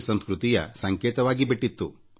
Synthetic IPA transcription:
sɐnskɾut̪ijɐ̰sɐŋkeːt̪ɐʋaːɡibiʈːit̪ːu

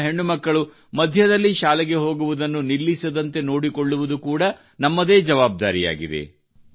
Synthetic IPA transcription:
ɦe̞ɳːumɐkːɐɭu | mɐd̪ʱjɐd̪ɐlːiʃaːlɛɡe̞ɦo̞ːɡuʋud̪ɐnːunilːisɐd̪ɐnt̪e̞no̞ːɽikoɭːuʋud̪ukuːɽɐ | nɐmːɐd̪e̞ːd͡ʒɐʋaːb̚d̪aːɾija̰ːɡid̪ḛ

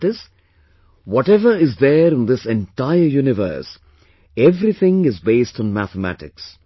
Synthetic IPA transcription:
ʈɪz | wɔʈɛʋəɾɪzd̪əɾɪ̃nd̪ɪsɛ̃nʈaɪəɾjuːnɪʋə̰ɾs | ɛʋɾit̪ʰɪ̃ŋɪzbeːsʈːn̩mæ̰t̪əmæ̰ʈɪ̰ks

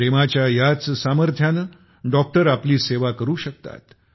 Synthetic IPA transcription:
ɾemat͡ɕjajat͡ssaməɾt̪ʰjanə | ɖɔk̚ʈəɾapliːseʋakəɾuːɕək̚t̪a̰t̪

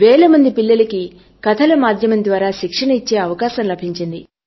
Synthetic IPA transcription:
ʋeːlɐmɐnd̪ipilːɐlɐki | kɐt̪ʰɐlɐmaːd̪ʱjɐmɐnd̪ʋaːɾaːʃikʂɐɳɐit͡ʃːeːɐʋɐkaːsɐmlɐbʱiɲt͡ʃind̪i

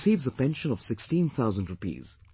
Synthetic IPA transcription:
siːvzəpɛ̃nʃə̃nɔʋ̥sɪkstĩnt̪ʰaʊzə̃ndɹʊpḭːz̥

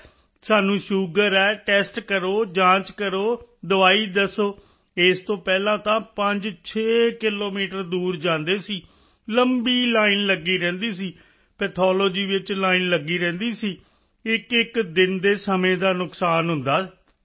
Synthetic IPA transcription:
saːnũːʃuːɡəɾɛːʈɛːsʈkəɾoːd͡ʒãːt͡ʃkəɾoːd̪əʋaːiːd̪əsoː | ɪst̪õːpɛːlãːt̪ãːpəɲd͡ʒt͡ʃʰeːkɪloːmiːʈəɾd̪uːɾd͡ʒãːnd̪eːsiː | ləmbiːlaːiːnləɡiːɾɛ̃ːnd̪iːsiː | pɛt̪ʰɔːloːd͡ʒiːʋɪt͡ʃlaːiːnləɡiːɾɛ̃ːnd̪iːsiː | ɪkɪkd̪ɪnd̪eːsəmẽːd̪aːnʊksaːnɦʊnd̪aːsi̥

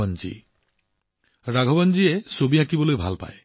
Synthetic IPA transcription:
ɔnd͡ʒḭ | ɾaɡʱɔbɔnd͡ʒiesobiãkibɔlojbʱa̰lpa̰e

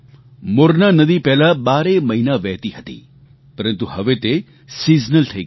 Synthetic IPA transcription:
moɾnanəd̪ipɛːlabaːɾeməɦinaʋɛːt̪iɦət̪ḭ | pəɾənt̪uɦəʋet̪e | sid͡ʒnəlʈʰəi

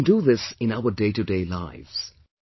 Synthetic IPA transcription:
nduðɪsɪ̃naʊədeɪtɨdeɪla̰ɪvz̥

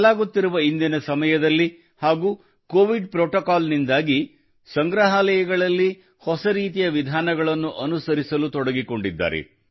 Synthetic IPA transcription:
laːɡut̪ːiɾuʋɐind̪inɐsɐmɐjɐd̪ɐlːi | haːɡuː | koːʋiɖpɾoːʈokaːlnind̪aːɡi | sɐŋɡɾɐɦaːlɐjɐɡɐɭɐlːi | hɔsɐɾiːt̪̬ijɐʋid̪ʱaːnɐɡɐɭɐnːuʔɐnusɐɾisɐlut̪ɔɽɐɡiko̞ɳɖid̪ːa̰ːɾḛ

